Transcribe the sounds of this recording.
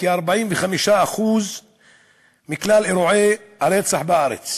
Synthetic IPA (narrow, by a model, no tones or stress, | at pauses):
kiaɾbaʕimveχamiʃaaχuz | miklaleɾoʕehaɾet͡saħbeʔaɾḛt͡s